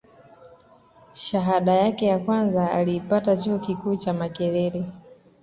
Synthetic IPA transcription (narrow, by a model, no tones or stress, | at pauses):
ʃaɦaɗajakɛjakwanzaaliːpatat͡ʃuɔkikuːt͡ʃamakɛɾɛɾɛ